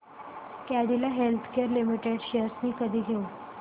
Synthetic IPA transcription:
kaɽilaɦelt̪ʰkeəɾlimiʈeɖɕeəɾsniːkəd̪ʱiːɡʱeu

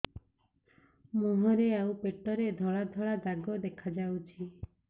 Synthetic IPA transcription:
muɦɔɾeawpeʈɔɾed̪ʱɔɭad̪ʱɔɭad̪aɡɔd̪ekʰad͡ʒawt͡ʃʰi

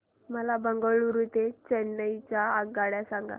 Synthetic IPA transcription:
məlabəŋɡoɭuɾut̪et͡ɕenːəjt͡ɕaːɡaɽjasãŋɡa̰

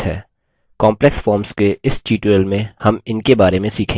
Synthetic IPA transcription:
ɦɛ̰ː | kɔ̃ːmplɛksfɔːɾmskeɪsʈiːʈuəlmẽhɐmɪnkebaːɾemẽsiːkʰẽ

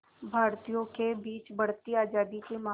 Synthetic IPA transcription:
bʱaːɾt̪ijõkebiːt͡ʃbɐɽ̤t̪iaːd͡ʒaːd̪ikema

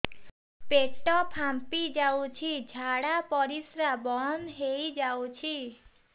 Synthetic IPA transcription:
pesʈɔpʰãmpid͡ʒawt͡ʃʰid͡ʒʱaɽapɔɾisɾabɔnɦejd͡ʒawt͡ʃʰi

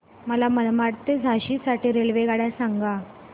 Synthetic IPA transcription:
məlaməd̪maɽt̪ed͡zʱaɕisaʈiːɾelʋeɡaɽjasaŋɡa

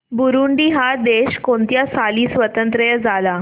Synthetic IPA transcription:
buɾuɳɖiːɦad̪eɕkoɳt̪jasaliːsʋət̪ənt̪ɾəjəd͡zala

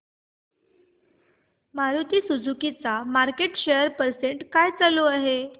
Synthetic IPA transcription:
maɾut̪iːsud͡zukit͡samaɾkeʈɕejəɾpəɾseɳʈkajt͡saloaɦe

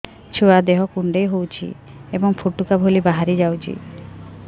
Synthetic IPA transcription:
t͡ʃʰuad̪eɦɔkuɳɖejɦowt͡ʃʰḭebɔŋpʰuʈukabʱolibaɦaɾid͡ʒawt͡ʃʰḭ

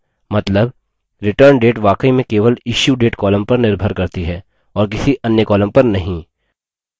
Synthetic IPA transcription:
mɐt̪ləb | ɾɪʈəɾɳɖeːʈʋaːkəimẽkeːʋəlɪʃjuɖeːʈkɔːləmpɐɾnɪɾbʱəɾkɐɾt̪iɦɛː | ɔːɾk̬ɪsiʔɐnjəkɔːlə̃mpɐɾnɐɦĩ

